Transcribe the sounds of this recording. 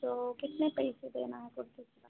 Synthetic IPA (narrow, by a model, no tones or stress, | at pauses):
oːkɪt̪nepɐɪsed̪eːnaɦɛkʊɾt̪ika